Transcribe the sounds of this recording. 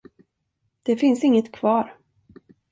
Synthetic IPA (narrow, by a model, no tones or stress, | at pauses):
d̪̥ɛfɪnsɪŋːət̪kʰvɑːɾ